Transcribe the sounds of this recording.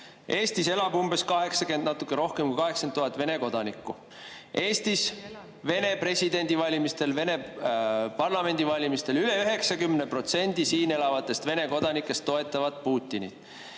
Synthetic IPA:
ʔe̞ːst̪ise̞lɑbumbe̞skɑɦe̞ksɑkend̪nɑt̪ːˑukˑːeɾo̞hkemkujkɑɦe̞ksent̪ːuɦɑt̪ːˑve̞ne̞ko̞d̪̥ɑnikːˑu | ʔe̞ːst̪is | ve̞ne̞pre̞sʲid̪e̞nʲd̪̥ivɑlʲimist̪e̞lve̞ne̞ | pɑrlɑme̞nʲd̪̥ivɑlʲimist̪e̞lyle̞yɦe̞ksɑkymnepro̞t̪se̞nʲd̪̥isiːne̞lɑvɑt̪ːˑe̞st̪ve̞ne̞ko̞d̪̥ɑnikːˑe̞st̪ːo̞e̞t̪ːˑɑvɑd̪puːt̪ʲːˑinḭt̪

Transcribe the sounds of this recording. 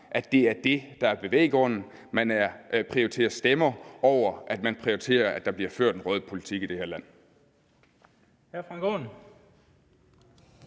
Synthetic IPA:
ʔæd̥e̝æɐd̥e̝d̥ɑ̈æɐb̥e̝ʋḛːɡ̥ʁɔ̽n̰n̩ | mænæɐpʰʁioit͡sʰe̝̰ːɐsd̥emɐɒʊ̰ɐʔæd̥mænpʰʁioit͡sʰe̝̰ːɐæd̥ɑ̈b̥liɐføɐ̰d̥enʁœːð̞ˠəpʰo̝lit͡sʰiɡ̥id̥e̝he̝ɐ̰læn̰ | hæɐfʁɑ̈ŋɡ̥o̰n

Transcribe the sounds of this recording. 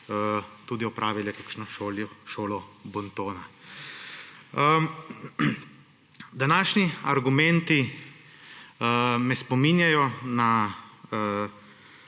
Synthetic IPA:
t̪uːd̪iɔpɾʔaːʋilɛkakʃnɔʃoːljɔʃoːlɔbɔnt̪oːna | d̪anaːʃniaɾɡumɛ̃nt̪i | mɛspɔmiːnjajɔna

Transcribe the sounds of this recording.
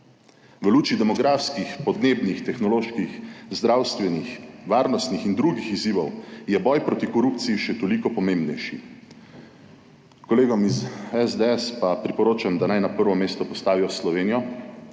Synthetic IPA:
ʋəluːt͡ʃid̪ɛmɔɡɾaːfskixpɔd̪neːbnixt̪ɛxnɔloːʃkixzd̪ɾaːwst̪ʋɛnixʋaːɾnɔst̪nixind̪ɾuɡixiziːʋɔwjɛbɔjpɾoːt̪ikɔɾuːp̚t̪siiʃɛt̪ɔliːkɔpɔmeːmbnɛjʃḭ | kɔleːɡɔmizɛzd̪eɛspapɾipɔɾoːt͡ʃamd̪anajnapəɾʋɔmeːst̪ɔpɔst̪aːʋiɔslɔʋeːnijɔ

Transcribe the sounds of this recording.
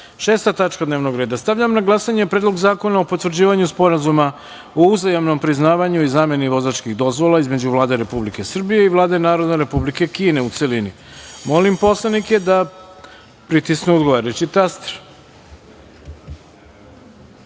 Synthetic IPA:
ʃe̞ːst̪at̪at͡ʃkad̪ne̞ːʋnoɡɾeːd̪ast̪aʋʎamnaɡlˠasaɲe̞pɾeːd̪lo̞ɡzaːko̞naopo̞t̪ʋr̩d͡ʑiːʋaɲuspo̞ɾazuma | ouzajamno̞mpɾiznaːʋaɲuizaːme̞niʋo̞zat͡ʃkiɣd̪o̞zʋo̞lˠaizme̞d͡ʑuʋlˠaːd̪e̞ɾe̞publike̞sr̩bije̞iʋlˠaːd̪e̞naːɾo̞d̪neɾe̞publike̞kiːne̞ut̪se̞lini | mo̞limpo̞slˠaniked̪a | pɾit̪isnuod̪ɡoʋaɾet͡ɕit̪ast̪ɾ

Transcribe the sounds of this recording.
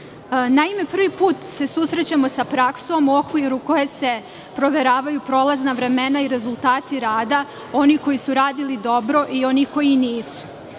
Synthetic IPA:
naime̞pr̩ʋipuːt̪se̞susɾet͡ɕamo̞sapɾaksomokʋujeɾuko̞je̞se̞ | pɾo̞ʋe̞ɾaːʋajupɾo̞ːlaznaʋɾe̞me̞naiɾe̞zulˠt̪aːt̪iɾaːd̪a | o̞niko̞jisuɾaːd̪ilid̪o̞bɾo̞ʔio̞niko̞jiniːsu̥

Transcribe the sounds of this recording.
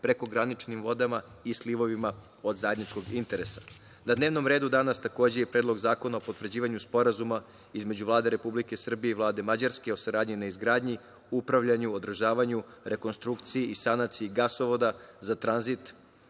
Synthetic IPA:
pɾe̞ko̞ɡɾanit͡ʃnimʋo̞d̪ama | isliʋo̞ʋima | o̞d̪zaje̞d̪nit͡ʃko̞ɡint̪e̞ɾe̞sḁ | nad̪neʋno̞mɾe̞ːd̪ud̪anast̪ako̞ːd͡ʑejepɾeːd̪lo̞ɡzaːko̞naopo̞t̪vr̩d͡ʑiːʋaɲuspo̞ɾazuma | izme̞d͡ʑuvlˠaːd̪e̞ɾe̞publike̞sr̩bijeiʋlˠaːd̪e̞mad͡ʑaɾske̞o̞saɾaːd̪ɲinaizɡɾaːd̪ɲi | upɾaʋʎaɲuod̪r̩ʒaːʋaɲuɾe̞ko̞nst̪ɾukt̪sijiʔisanat̪siiɡasoʋo̞d̪azat̪ɾanzit̪

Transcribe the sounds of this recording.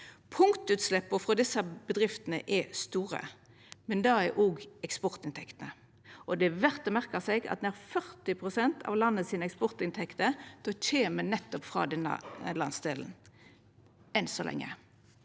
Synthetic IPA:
pʰʊŋt̪ʉːt̪slɛpːəfʁɑd̪ɪsːəbəd̪ɾʁɪft̪ənə̰ʔɛst̪uːʁə̰ | mɛnd̪ɑɛʔoːɡɛkspɔʁt̪ɪnt̪ʰɛkt̪ənə | ʔɔd̪ɛʋæʁt̪ɔmæʁkəsɛɡɑ̰t̪̚d̪ɛæʁfœʁt̪ɪpʰʁʊsɛnt̪ʰɑ̰ʋlɑnːəsiːnəɛkspɔʁt̪ɪnt̪ʰɛkt̪əd̪̥ɔc͡çeːmənɛt̪ːɔpfʁɑ̰ːd̪ɛnːə̰lɑnsd̪eːln̩ | ɛnsɔlɛ̰ŋːə̰

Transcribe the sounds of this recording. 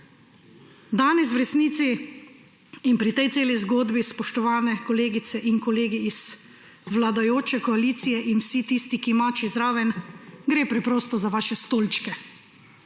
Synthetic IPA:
d̪aːnɛs̬wɾɛsniːt̪si | npɾit̪ɛjt̪seːlizɡoːd̪bispɔʃt̪ɔʋaːnɛkɔleːɡit̪sɛʔinkɔleːɡiiz̥ | ʋlad̪ajoːt͡ʃɛkɔaliːt̪sijɛʔinwsit̪iːst̪ikimat͡ʃizɾaːʋɛnɡɾeːpɾɛpɾoːst̪ɔzaʋaːʃɛst̪oːlt͡ʃkɛ

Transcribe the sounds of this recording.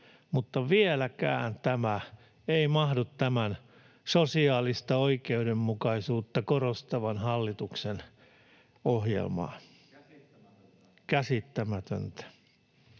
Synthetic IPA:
mut̪ːɑʋielækæ̰ːnt̪æmæ | eimɑhdut̪tæmæn | sosiɑːlist̪ɑoikeudemːukɑisuːt̪ːɑkorost̪ɑʋɑnhɑlːit̪uksen | ohjḛlmɑ̰ː | kæsit̪ːæmæt̪ø̰nt̪æ̥

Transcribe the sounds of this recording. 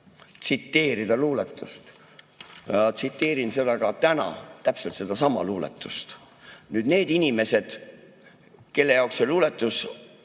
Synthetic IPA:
t̪sit̪ːe̞ːɾid̪̥ɑluːlet̪ːˑust̪ | jɑt̪sit̪ːe̞ːɾinse̞d̪̥ɑɡ̥ɑt̪ænɑ̰t̪æpselt̪se̞d̪̥ɑsɑmɑ̰luːlḛt̪ːˑu̥st̪ | nyːd̪̥ne̞ːd̪̥inʲime̞se̞d̪̥ | ke̞lːe̞jɑˑokseluːle̞t̪ːˑus

